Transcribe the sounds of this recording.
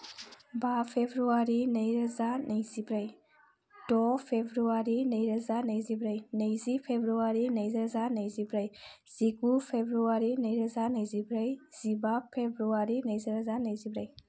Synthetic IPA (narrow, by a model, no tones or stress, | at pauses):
bapʰebɾuaɾinejɾazanʔejzibɾaj | dɔpʰebɾuaɾinəjɾazanəjzibɾajnejzipʰebɾuaɾinejzɾazanejzibɾaj | z̥iɡupʰebɾuaɾinəjɾazanəjzibɾajz̥ibapʰebɾuaɾinəjziɾazanəjzibɾaj